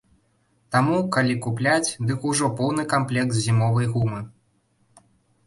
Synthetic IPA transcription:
t̪amukalʲikuplʲat͡sʲd̪ɨkuʐɔpɔwnɨkamplʲɛkt̪zʲimɔvɐjɣumɨ

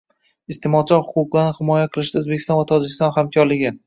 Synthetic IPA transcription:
ɪst̪ʰɪmɒt͡ʃʰɒɾhʊqʊqlˠaɾnɪhɪmɒjaqʰɨlˠɪʃd̪aɵzbekʲʰɪst̪ɒ̃nvat̪ʰɒd͡ʒɪkʲɪst̪ɒnhamkʲʰɒɾlɪɡʲɪ

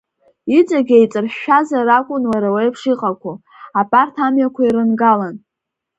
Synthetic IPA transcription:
it͡sʼaɡʲejt͡sʼɨrʃːᶣazaɾakʷʼʊnwaɾawejpʰʂiqʼakʷʰu | apʼartʰamjakʷʰaiɾɨnɡalan

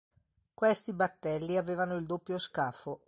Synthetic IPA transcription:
kwest̪ibat̪ːɛlːiaveːvanoild̪opːjoskaːfo

